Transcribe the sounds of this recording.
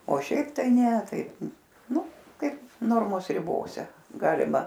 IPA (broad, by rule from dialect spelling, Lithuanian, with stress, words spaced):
oː ˈʃʲɛɪp tɐɪ ˈnʲɛ tɐɪ ˈnʊ ˈkɐɪp ˈnoːrmoːs rʲɪˈboːsʲɛ ˈɡɑːlʲɪmɐ